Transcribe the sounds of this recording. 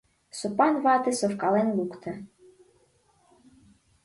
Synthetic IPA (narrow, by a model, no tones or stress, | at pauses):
sopɑnvɑt̪esofkɑlenlukt̪ʰɤ̆